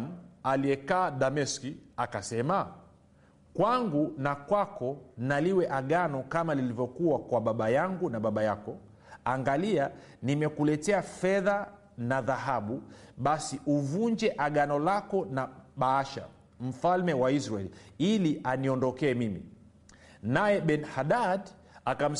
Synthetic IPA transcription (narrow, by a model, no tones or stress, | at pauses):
m̩alijɛkaːɗamɛskiakasɛma | kwaŋɡunakwakɔnaliwɛʔaɠanɔkamalilivjɔkuwakwaɓaɓajaŋɡunaɓaɓajakɔ | aŋɡalia | nimɛkulɛtɛafɛða | naðaɦaɓuɓasiʔuvund͡ʒɛʔaɠanɔlakɔnaɓaaʃa̰ | m̩falmɛwaisɾaɛliilianiɔndɔkɛːmimḭ | najɛɓɛnhaɗad | akam̩